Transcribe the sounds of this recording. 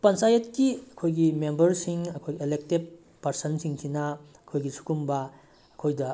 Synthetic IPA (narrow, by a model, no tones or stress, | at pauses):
pɐnsajetkiɐkʰojɡimembɐɾsiŋɐkʰojɡielek̚teb | pːɐɾsɐnsiŋtʰinɐ | ɐkʰojɡisu̥kumbɐː | kʰojdɐ